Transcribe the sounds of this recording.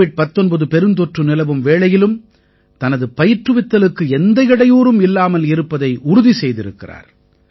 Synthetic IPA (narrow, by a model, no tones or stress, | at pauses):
iʈ̚pɐt̪ːɔnbɐðɯpɛɾɯnd̪ɔʈrɯnɪlɐʋɯmʋeːɭɐjɪlɯm | t̪ɐnɐðɯpɐjɪʈrɯʋɪt̪ːɐlɯkːɯɛnd̪ɐjɐɽɐjoːɾɯmɪlːaːmɐlɪɾɯpːɐðɐɪʔʊɾʊðisɛjðɪɾɯ̰kːɪra̰ːɾ